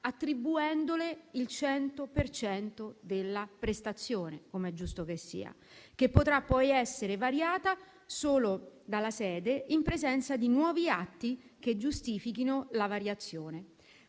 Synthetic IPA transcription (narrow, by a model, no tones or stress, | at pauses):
at̪ːɾibuɛnd̪oleilt͡ʃɛnt̪opert͡ʃɛnt̪od̪elːapɾest̪at̪sːjoːnekomeɛd͡ʒːust̪okesːḭːa̰ | k̟epːot̪ɾapːɔjɛsːeɾevaɾjaːt̪a | soːlod̪alːasɛːd̪eimpɾezɛnt̪sad̪inwɔːviat̪ːiked͡ʒːust̪iːfikinolavaɾjat̪sːjoːne